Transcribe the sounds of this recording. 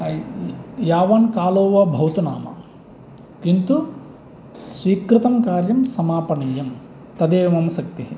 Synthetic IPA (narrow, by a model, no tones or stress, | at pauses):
jaːʋɐnkaːloːʋɐbʱɐwt̪una̰ːmɐ̰ | kint̪u | sʋiːkɾɪt̪ɐmkaːɾjɐmsɐmaːpɐnɐjɐm | t̪ɐd̪eːʋmɐmɐsɐk̚t̪iɦi